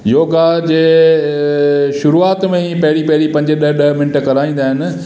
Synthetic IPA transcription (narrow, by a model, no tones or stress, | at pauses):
joːɡad͡ʑeː | ʃʊɾuaːt̪mẽpɐɦɪɽipɐɦɪɽipɐ̃ɲd͡ʑeɗɐɗɐɦmɪnəʈkɐɾaːĩːnd̪aːɦɪnɪ̆